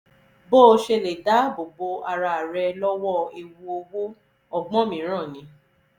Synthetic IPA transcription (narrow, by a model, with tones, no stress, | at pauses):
bo˦˧ʃe˧le˨da˨˦bo˨ɡ͡bo˧a˧ɾa˧˨a˨ɾɛ˧lɔ˦wɔ˦˨e˧wu˧o˧wu˦ | ɔ˧ɡ͡bɔ̃˦mĩ˨˦ɾ̃ã˦˨nĩ˨˦